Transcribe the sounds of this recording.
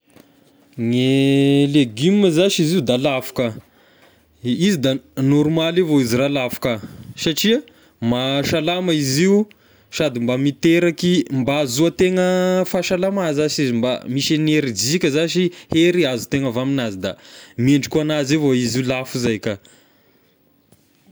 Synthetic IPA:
ŋeleɡimːəzaʃiziud̪alafu̥kə | izid̪anɔɾmalevoiziɾalafu̥kəsaʈ͡ʂia | maʃalamaiziu | ʃad̪imbamit̪eɾakimbaːzuat̪eŋəfaʃalamazaʃizimba̰miʃaneɾid͡zikʲəzaʃ̬iheɾiazut̪eŋəvaminazid̪a̰meɳɖ͡ʐikuanazevoiziulafuzajkʲə

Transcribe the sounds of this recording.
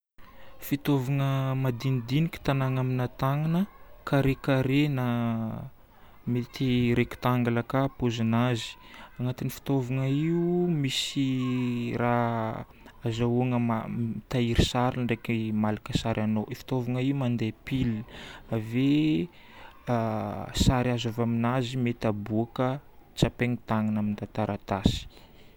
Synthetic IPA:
fit̪ovaŋəmad̪inid̪inikʲi̥t̪anaŋaminat̪aŋanəkaɾekaɾena | met̪iɾeku̥t̪aŋɡalakapozinazi̥aŋat̪inifi̥t̪ovaŋəiumisi | ra | azauaŋəmamt̪aiɾisaɾiɳɖ͡ʐekimalakəsaɾʔanoʔifi̥t̪ovaŋaiumand̪epilave | saɾiazavaminazimet̪abuakət͡sapeŋit̪aŋanamint̪at̪aɾʔat̪asi̥

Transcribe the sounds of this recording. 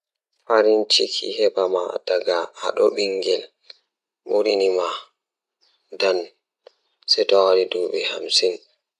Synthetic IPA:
faɾint͡ʃikʰḭhɛbama̰d̥aɡaha̰ɗɔɓiŋɡɛl | ɓuɾinima | dan | sɛjtɔwaɾidɔɓɛhamsin

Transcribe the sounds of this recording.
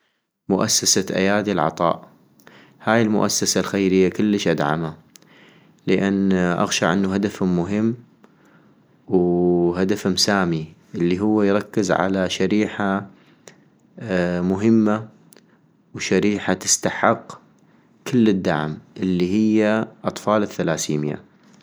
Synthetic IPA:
mʊʔasːasaʔa̰jaːd̪ilʕɑ̰t̪ˤɑ̰ːʔ | haːjɪlmʊ̰ʔasːasalxajɾɪjːakɪlːəʃʔad̪ʕa̰ma | ləʔanːʔa̰ɣʃa̰ʕʔɪnːuɦad̪afːʊɦɪmː | wɦad̪afhʊmsaːmiʔɪlːiɦʊwːajɾˤɑkːɪzʕa̰laʃaɾiːħa | mʊɦɪmːa | wʃaɾiːħat̪ɪ̥st̪aħɪqː | kɪlːɪd̪ːa̰ʕmʔɪlːiɦɪjːaʔɑt̪ˤfɑːlɪθːalaːsiːmja̰

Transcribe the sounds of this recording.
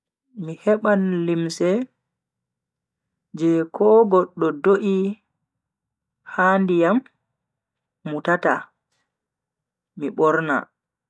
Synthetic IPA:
mihɛɓanlimsɛ | d͡ʒɛkʰɔɡɔɗːɔdoʔi | handijam | utata̰ | miɓɔɾna̰

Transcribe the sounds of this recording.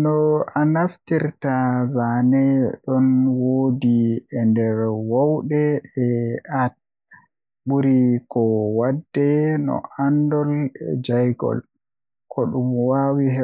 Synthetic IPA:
nɔanaftiɾtazanɛɗɔnwoːdiɛndɛɾwawɗɛɛat̚ | buɾikɔwadːɛnɔ̰andɔld͡ʒajɡɔ̰l | kʰɔɗumwawihɛ

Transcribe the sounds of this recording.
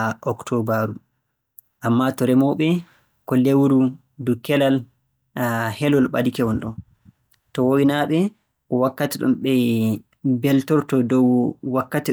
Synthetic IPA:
ʔɔktʰɔbaɾu | ʔamːatɔɾɛmɔɓɛ | kɔlewuɾu | dukɛlal | hɛlɔlɓa̰dikɛwɔnɗɔn | tɔwowinaɓɛ | ɔwakːatiɗɔ̰mɓɛ | bɛltɔɾtɔdɔwwakːati

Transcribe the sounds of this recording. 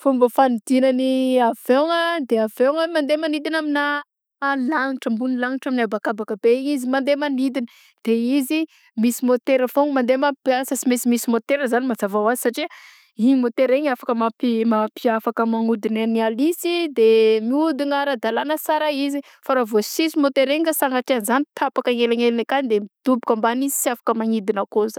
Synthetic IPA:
fumbəfanid̪inəniav̥eŋəd̪eaveŋəmand̪emanid̪inamina | alaŋiʈ͡ʂəmbunilaŋiʈ͡ʂaminabakabakəbeɲizimand̪emanid̪inə | d̪̥eizi | misimot̪eɾəfoŋmand̪emapiasəsimesimisimot̪eɾəzanimad͡zavawazi̥saʈ͡ʂi | iɲimot̪eɾeɲafḁkəmapimapiafakəmaŋud̪inanialisid̪emiud̪inaɾad̪alanəsaɾaizi | faɾavosisimot̪eɾeŋkasalaʈ͡ʂianzanit̪ʰapakaŋelaŋelnakand̪emiid̪̥ubikambanizi̥siafḁkəmaŋid̪inəkoza

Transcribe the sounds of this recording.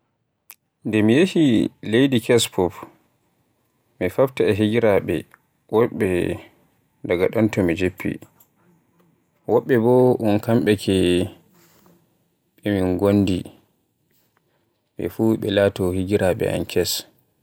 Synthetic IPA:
ndɛmijehilejdikɛspʰɔf | mifaftaɛɦiɡiɾaɓɛ̰ | wɔɓɛ | daɡaɗɔntɔmid͡ʒepːḭ | wɔɓːɛbɔʔɔnkamɓɛkʰɛ | ɓɛmiŋɡonːdi | ɓɛ̰fuɓɛlaːtɔhiɡiɾʔaɓɛ̰ʔa̰nkʰɛs

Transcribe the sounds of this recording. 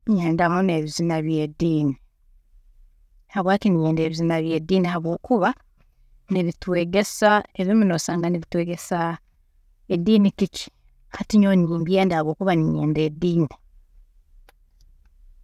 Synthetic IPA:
ɲɲeːndamone̞ːβizinaβje̞ːdiːni | haβwaːtinijeːnde̞ːβizinaβje̞ːdiːnihaβwo̞ːkuβa | niβitwe̞ːɡe̞saeβimunoːsaːŋɡaniβitwe̞ːɡe̞sa | edːiːnikici̥ | hatiɲoːniwuːmbjeːndahaβwo̞ːkuβaniɲḛːnde̞ːdiːni

